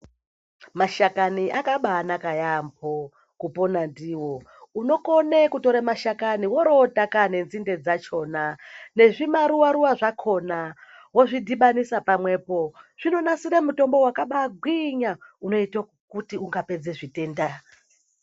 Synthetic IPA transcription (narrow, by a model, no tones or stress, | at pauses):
maʃakaniʔakaɓaːnakajambo̞ | kupo̞nandiwo̞ | uno̞konekuto̞ɾamaʃakaniwo̞ɾo̞takane̞nzinde̞d͡zat͡ʃo̞ːnane̞ʐimaɾuwaɾuwaʐakʰo̞na | wo̞ʐidʱiɓanisapamwe̞po̞ʐ̥ino̞nasiɾamuto̞mbo̞wakaɓaɡʱwiɲauno̞ito | kutiuŋɡape̞d͡ze̞ʐite̞ːnda